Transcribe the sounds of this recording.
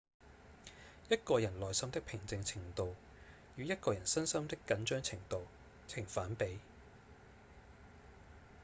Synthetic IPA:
jɐ˥t̚kɔː˧jɐ˨˩nlɔː˨˩jsɐ˥mt̪ɪ˥k̚pʰɪ˨˩ŋt͡sɪ˧ŋt͡sʰɪ˨˩ŋt̪o˨w | jyː˨˧jɐ˥t̚kɔː˧jɐ˨˩nsɐ˥nsɐ˥mt̪ɪ˥kːɐ˨˧nt͡ʃœː˥ŋt͡sʰɪ˨˩ŋt̪o˨w | t͡sʰɪ˨˩ŋfaː˨˥npe˨˥j

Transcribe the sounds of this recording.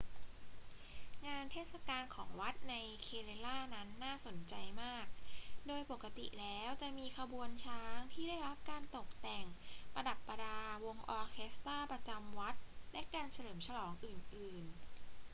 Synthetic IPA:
ŋaː˧nt̪ʰeː˥˩t̪sa˧kaː˧nkʰɔː˩˦ŋwa˦˥t̪̚na˧jkʰeː˧leː˧laː˥˩na˦˥nːaː˥˩so˩˦nt͡ɕa˧jmaː˥˩k̚doː˧jpo˨˩kːa˧t̪ḭ˨˩lɛː˦˥wt͡ɕa˨˩ʔmiː˧kʰa˧bu˧ənt͡ɕʰaː˦˥ŋt̪ʰiː˥˩daː˥˩jɾa˦˥p̚kaː˧nt̪o˨˩k̚t̪ɛ˨˩ŋpɾa˧da˨˩pːa˧daː˧wo˧ŋʔɔː˧kʰe˦˥st̪aː˥˩pɾa˧t͡ɕa˧mwa˦˥t̪̚lɛ˦˥kaː˧nt͡ɕʰa˧lɤː˩˦mt͡ɕʰa˧lɔː˩˦ŋʔɯː˨˩nʔɯː˨˩n

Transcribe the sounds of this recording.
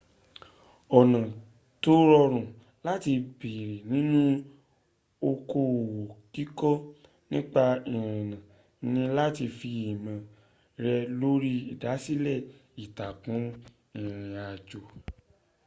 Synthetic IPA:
ɔ˨nã˨ | to˦ɾɔ˧ɾ̃ũ˨ | la˦ti˧bi˨ɾi˨nĩ˦nũ˦ | o˧ko˧˨wo˨ki˦kɔ˦ | nĩ˦k͡pa˧ĩ˨ɾ̃ĩ˨nã˨ | nĩ˧la˦ti˧fi˧i˨mã˨ | ɾɛ˧lo˦ɾi˦i˨da˨˦si˦lɛ˦˨ | i˨ta˨kũ˨˦ | ĩ˨ɾ̃ĩ˨a˨d͡ʒo˨

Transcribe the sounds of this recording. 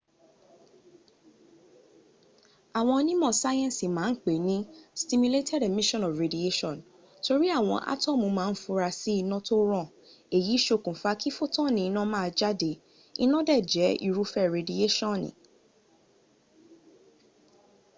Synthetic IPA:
a˨w̃ɔ̃˧nĩ˦mɔ̃˦˨sa˦jɛ̃˦˨si˨mãː˨˦k͡pe˨nĩ˦sti˧mu˧le˦tʰɛ˦˨de˨mi˦ʃɔ̃˦nɔ˨fɾe˨di˨e˦ʃɔ̃˦˨n | to˧ɾi˦a˦˨w̃ɔ̃˧ʔa̰˦tɔ̃˦˨mũ˧˦mãː˨˦n̩˦fu˧˦ɾa˧si˦i˦˧nɔ̃˦to˦ɾ̃ɔ̃˦˨ | e˨ji˨˦ʃo˧˨kũ˨fa˧ki˦fo˦tɔ̃˦˨nĩ˧i˧nã˦mãː˦˨˧d͡ʒa˦de˧ | ḭ˧nɔ̃˦dɛ˦˨d͡ʒɛ˨˦ḭ˧˨ɾu˨˦fɛ˦˨ɾe˨di˨e˦ʃɔ̃˦˨nḭ̃˨

